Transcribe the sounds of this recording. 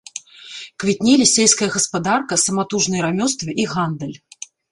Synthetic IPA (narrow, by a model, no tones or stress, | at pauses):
kvʲit̪ʲnʲɛlʲisʲɛlʲskɐjɐɣɐspad̪arkɐsɐmat̪uʐnɨjɾamʲɔst̪vɨʔiɣand̪ɐlʲ